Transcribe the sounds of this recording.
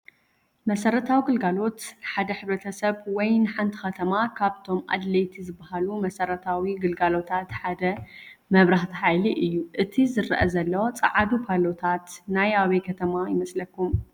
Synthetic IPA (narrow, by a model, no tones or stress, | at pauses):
mɐsɐɾɐt̪ʰawiɡɨlɡalo̞t̪ħad̪ɐħɨβɾɐt̪ʰɐsɐβwɔjnɨħant̪ʰi̥xɐt̪ʰɐmakʰaβt̪ʰo̞mʔa̰d̪lɐjt̪ʰizɨbːahalumɐsɐɾɐt̪ʰawiɡɨlɡalo̞t̪ʰat̪ħad̪ɐ | mɐβɾaħt̪ʰiħajliʔɨjːuʔɨt̪ʰizɨɾʔɐ̰zɐlːɐwot͡sʼɐ̰ʕad̪upʰalot̪ʰat̪najaβɐjkʰɐt̪ʰɐmajɪmɐslɐkːum